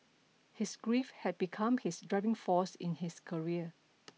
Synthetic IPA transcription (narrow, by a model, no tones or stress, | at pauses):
hisɡɹifhɛt̚bikʰãmhɪsdɹaɪvɪ̃ŋfɔsɪ̰̃nhɪskʰəɹiə